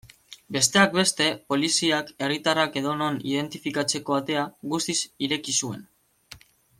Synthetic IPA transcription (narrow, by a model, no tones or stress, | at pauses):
be̞st̪e̞ak̚be̞st̪e̞po̞lisiake̞rit̪arake̞ðo̞no̞nḭðe̞nt̪ifikat͡se̞ko̞at̪e̞aɣust̪isiɾe̞kisue̞̰n